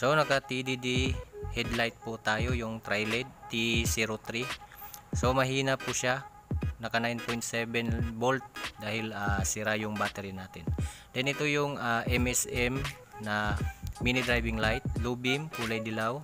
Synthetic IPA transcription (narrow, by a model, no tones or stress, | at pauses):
sonɐɡ̚kɐt̪id̪id̪ihɛd̪lajt̪̚pʊt̪aːjo̞jʊŋt̪ɾajlɛd̪̚t̪isiɾot̪ɾi | somɐɦiːnɐpʊʃa | nɐkɐnajnpojnt̪̚sɛbɛnbolt̪̚d̪aːhɪlasɪɾajʊŋbaːt̪ɛɾinaːt̪ɪnd̪̥ɛnɪt̪ojʊŋaʔɛmɛsɛm | nɐminɪd̪ɾajbɪŋlajt̪̚lubɪmkuːlɐjd̪ɪlaw